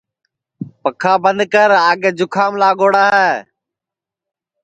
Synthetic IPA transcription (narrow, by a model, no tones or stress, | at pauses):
pəkʰaːbənd̪kəɾaːɠeːd͡ʒʊkʰaːmlaːɠoːɽaːɦɛː